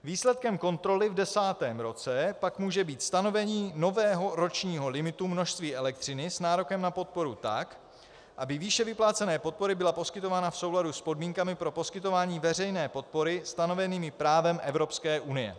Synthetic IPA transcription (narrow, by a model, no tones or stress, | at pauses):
viːslɛt̪̚kɛmko̞nt̪ɾo̞lɪvdɛsaːt̪ɛːmɾo̞t͡sɛpakmuːʒɛbiːt̪st̪ano̞vɛɲiːno̞vɛːɦo̞ɾo̞t͡ʃɲiːɦo̞lɪmɪt̪umno̞ʃst̪viːʔɛlɛk̚t̪r̝̥ɪnɪsnaːɾo̞kɛmnapo̞t̪̚po̞ɾut̪a̰k | ʔabɪviːʃɛvɪplaːt͡sɛnɛːpo̞t̪̚po̞ɾɪbɪlapo̞skɪt̪o̞vaːnafso̞wladuspo̞dmiːŋkamɪpɾo̞po̞skɪt̪o̞vaːɲiːvɛr̝ɛjnɛːpo̞t̪̚po̞ɾɪst̪ano̞vɛniːmɪpɾaːvɛmʔɛvɾo̞pskɛːʔunɪjɛ̰